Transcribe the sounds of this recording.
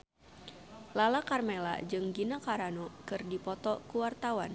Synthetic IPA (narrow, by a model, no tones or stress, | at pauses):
lalakarmela̰d͡ʒɨŋɡinakaɾanokɨrdipɔt̪ɔkuwart̪awan